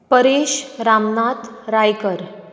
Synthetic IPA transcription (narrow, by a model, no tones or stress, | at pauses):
pəɾeɕɾamnat̪ɾajkəɾ